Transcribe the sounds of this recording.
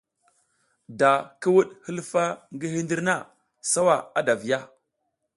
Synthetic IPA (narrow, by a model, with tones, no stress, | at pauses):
da˨kə˦wu˦ɗhə˦lfa˦ŋɡi˦hi˦ndi˦ɾna˦˨ | sa˦wa˨a˦da˨vi˨ja˦